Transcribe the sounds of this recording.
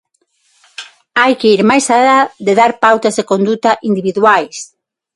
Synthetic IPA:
ajkeiɾmajsaðaðeðaɾpawt̪ɐzðekond̪ut̪aʔind̪iβiðwajs

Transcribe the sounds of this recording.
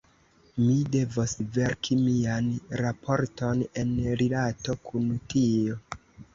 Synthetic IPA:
mide̞vosve̞ɾkʰimianɾapʰo̞ɾto̞ne̞nɾilato̞kʰuntio̞

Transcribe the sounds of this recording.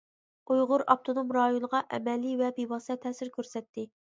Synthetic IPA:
ujʁʊɾɑp̚t̪ʰonomɾɑːjonəʁɑʔɛ̰mɛlːivɛbebɑsɛt̪ʰɛsɪɾkʲʰøɾsɛt̪ːɪ

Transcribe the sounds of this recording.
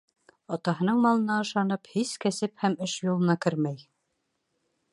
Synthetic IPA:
ɑt̪ɑɦɤ̆nɤɴmɑlˠɤ̆nɑɤ̆ʃɑnɤphiskæsɘphæmɘʃjulˠɤ̆nɑkɘɾmæj

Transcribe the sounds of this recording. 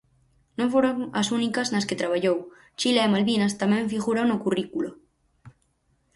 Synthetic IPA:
nõŋfoɾoŋasunikaznasket̪ɾaβ̞aʎow | t͡ʃilaemalβinast̪amẽɱfiɣuɾawnokurikulo

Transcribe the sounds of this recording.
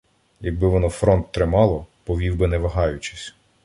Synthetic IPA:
jɐɡ̚bɪʋɔnɔfɾɔnt̪ːɾɪmɑlˠɔpɔʋʲiwbɪnɛʋɐɦɑjʊt͡ʃɪ̥sʲ

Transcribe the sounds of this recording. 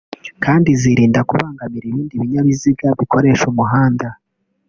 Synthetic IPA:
kʰaːndiziɾiːndakuβaːŋɡamiɾiβiːndiβiɲaβiziɡaβikʰo̞ɾe̞ʃumuɦaːnda

